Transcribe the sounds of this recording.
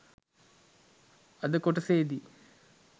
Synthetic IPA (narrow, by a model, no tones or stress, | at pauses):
ɐd̪ɨkoʈːɐseːd̪i